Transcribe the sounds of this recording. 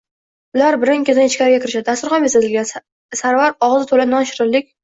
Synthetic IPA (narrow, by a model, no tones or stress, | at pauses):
ʊlaɾbɪɾɪŋkʲezanɪt͡ʃkʲaɾɪɡʲakʲʰɪɾɪʃad̪d̪ast̪ʊɾχɑmesazɪlɡʲan | saɾvaɾɒʁɨzɪt̪ʰolanɒnʃɪɾɪlːɪkʲ